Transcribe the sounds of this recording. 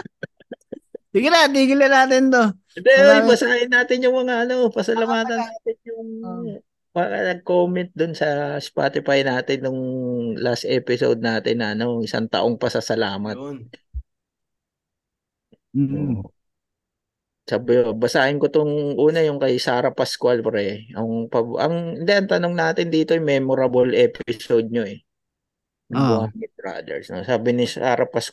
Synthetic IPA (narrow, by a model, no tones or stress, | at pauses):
sɪɡɪɾat̪iːɡɪlɐnaːt̪ɪnt̪o | d̪ɛojbɐsaːhɪnːaːt̪ɪnjʊŋmɐŋaʔɐno̞pɐsɐlɐmaːt̪ɐnːaːt̪ɪnjʊŋ | baːkɐ̰nɐɡ̚koːmɛnt̪̚d̪onsɐspa̰t̪ɪfajnaːt̪ɪnːʊŋlast̪ʔɛpɪso̰wd̪̚naːt̪ɪnːɐʔɐno̞ʔɪsa̰ŋt̪ɐ̰ʔo̞ŋpɐsɐsɐlaːmɐtt̪ | saːbɪobɐsaːʔɪnkot̪oŋʔuːnɐjʊŋkɐjsaːɾɐpɐskwalpɐɾɛʔɐŋpɐʔɐŋɪnd̪ɛʔɐŋt̪ɐnoŋnaːt̪ɪnd̪iːt̪oɛŋmɛːmoɾɐbolʔɛːpɪsowd̪̚ɲoʔɛ | nɐwanmɪɾa̰d̪ɛ̰ɹsno̰saːbɪnɪsa̰ːɾɐpɐsk